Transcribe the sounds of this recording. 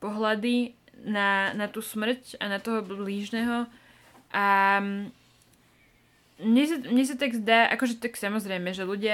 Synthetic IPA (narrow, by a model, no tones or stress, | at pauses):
pɔɦlad̪i | nanat̪uːsmr̩canat̪ɔɦɔbbliːʒnɛːɦɔ | ʔa | mɲɛsamɲɛs̬at̪aɡzd̪aːʔa̰kɔʒɛt̪aksamɔzɾɛjmɛʒɛluɟɪa